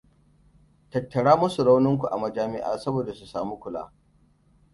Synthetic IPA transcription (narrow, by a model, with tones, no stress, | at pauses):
tɐ˨tːɐ˨ɽaː˦mʊ˦su˨ɽa˦wnɪ˦ŋk̬ʷu˨ʔa˨mɐ˨d͡ʒaː˦mɪ˦ʔa̰ː˨sɐ˦boː˨da˨su˨saː˨mu˦kʷʊ˨la̰ː˦